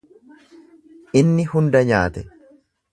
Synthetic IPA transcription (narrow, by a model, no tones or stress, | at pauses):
ʔɪnːɪhʊnd̪ɐɲaːt̪ɛ